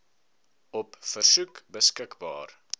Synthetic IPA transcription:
ɔpfərsʉkbəskəkbɑ̰ːr

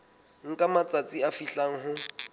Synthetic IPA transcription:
ŋ̩kʼamat͡sʼat͡sʼiafiɬaŋ̩ɦʊ

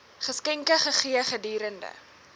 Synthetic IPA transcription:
χəskɛŋkəχəχiəχədiːɾəndə̰

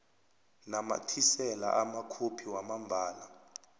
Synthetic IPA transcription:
nama̰tʰisɛla̰ʔamakʰopʰiwamambʱaːla

